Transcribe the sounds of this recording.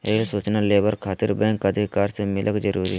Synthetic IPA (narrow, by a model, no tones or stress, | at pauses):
esoːt͡ʃnaleːbəɾkʰaːt̪ɪɾbɛ̃ːŋkəd̪ʱikaːɾsemɪlʔəkd͡ʒəɾuːɾḭɦ